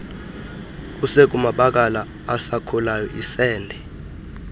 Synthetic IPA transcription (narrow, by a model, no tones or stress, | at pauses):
k̬ʼusek̬ʼumaɓak̬ʼalaː | sakʰulajɔʔisɛːndʱɛ